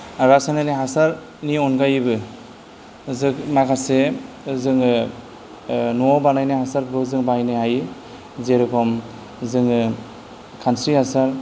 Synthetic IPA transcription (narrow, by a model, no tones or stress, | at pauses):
ɾasanajnaɦasaɾ | niɔnɡajbɯ | zɯkmakʰase | zɯŋɯ | nuɔbanajnajɦasaɾɡɯzɯŋbajnajɦaj | zeɾɯkʰɔm | zɯŋɯ | kʰansɾihasaɾ